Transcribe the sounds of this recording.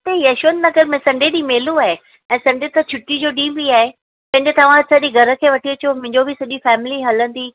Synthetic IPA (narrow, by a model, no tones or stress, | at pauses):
t̪eɦiɐʃʋənnɐɡəɾmɛ̃sɐ̃ɳɖeɗimeːluaːɦe | ɛ̃ːsɐ̃ɳɖet̪ɐt͡ɕʰʊʈːid͡ʑoːɗĩːmbiaːɦe | pɐ̃ɦɪ̃ɲd͡ʑet̪ɐʋ̤ãsɐʄiɡʱɐɾə̆kʰeːʋɐʈʰiɐt͡ɕiomʊ̃ɦɪ̃ɲd͡ʑobɪsɐʄifɛːmɪliɦɐlə̃nd̪iː